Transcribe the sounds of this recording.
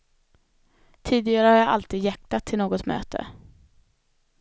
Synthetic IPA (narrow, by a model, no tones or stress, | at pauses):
t̪ʰiːd̪ɪɡaɾəhaɾjaʔa̰lt̪ʰiːd̪jak̚t̪at̪ʰːɪlnoːɡɔt̪mø̰ːt̪ʰə̰